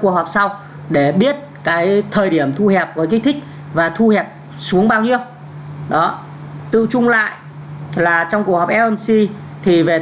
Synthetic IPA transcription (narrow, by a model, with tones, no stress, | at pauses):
ku˨˩ək̚hɔ˨˩p̚sa˧w | ɗe˧˩ɓi˦˥ət̚kaː˨˦jt̪ʰəː˨˩jɗi˦˧˩əmt̪ʰu˧hɛ˨˩p̚vəː˨˦jkä̟˦˥t̪ʰï˦˥k̟̚ | vaː˨˩t̪ʰu˧hɛ˨˩p̚ | su˨˦əŋɓaː˧wɲi˧əw | ɗɔ˨˦ | t̪ɨ̰˧˨t͡ɕʊ˧ŋ͡mla̰ː˧˨j | laː˨˩t͡ɕɔ˧wŋ͡mkk̚hɔ˨˩pʔɛ˧ə˧nsi˧ | t̪ʰi˨˩ve˨˩